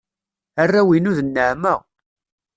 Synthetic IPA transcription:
arːæwinuðənːəʕməʁ

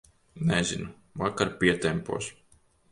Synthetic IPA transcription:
nɛzinu | vakaɾpʲiɛt̪ɛmpṵɔs

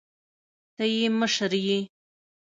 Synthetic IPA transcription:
t̪ajiməʂəɾji

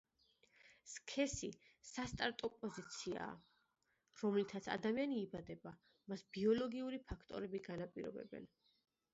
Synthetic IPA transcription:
skʰɛsisast̪ʼaɾt̪ʼɔpʼɔzit̪sʰia̰ː | ɾɔmlit̪ʰat̪sʰa̰d̪amianiːbad̪ɛba | masb̥iɔlɔɡiuɾipʰakʰt̪ʼɔ̰ɾɛbiɡanapʼiɾɔ̰bɛ̰bɛ̰n

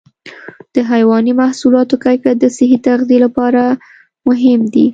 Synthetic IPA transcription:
d̪̥əɦajwɑnimahsulɑt̪okajkat̪̚d̪əsɪɦit̪aɣd̪ilapɑɾa | mʊɦɪmd̪i

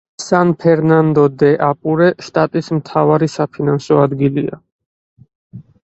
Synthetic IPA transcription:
sanpʰɛɾnand̪ɔd̪ɛʔapʼuɾɛʃt̪ʼat̪ʼismt̪ʰavaɾisapʰinansɔad̪ɡilia̰

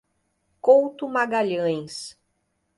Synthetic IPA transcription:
kowt̪ʊmaɡaʎɐ̃j̃s

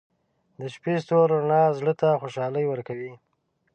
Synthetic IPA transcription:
d̪əʃpest̪oɾɾnɑzɽət̪axoʃɑləjwəɾkawi

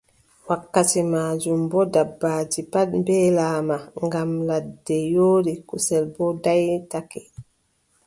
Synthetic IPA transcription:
wakːatimaːd͡ʒumbɔdabːaːd͡ʒipaɗmbɛːlaːmaŋɡamladːɛjoːɾikusɛlbɔdajtakɛ

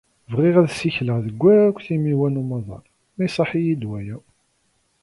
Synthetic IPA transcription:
vʁiʁæðsiçləʁðəɡʷːæɾækʷθimiwænumɑðˤɑ̰ɾ | mæjsˤɑħijid̪wæjæw

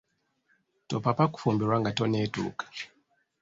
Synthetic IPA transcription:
tɔpapaku̥fɔmbiɾwaŋɡatɔnetṵːkḁ

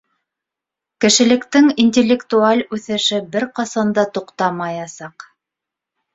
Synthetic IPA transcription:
kɘ̆ʃɘ̆lɘ̆kt̪ɘŋinʲtʲelʲːekt̪ualʲʉθɘ̆ʃɘbɘɾqɑsɑnd̪ɑt̪uqt̪ɑmɑjɑsɑq

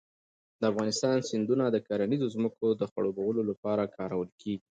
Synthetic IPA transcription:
d̪̥əafɣɑnɪst̪ɑnsɪnd̪unad̪əkaɾanizozməkod̪əxaɽobawəlolapɑɾakʰɑɾawəlkeɡi

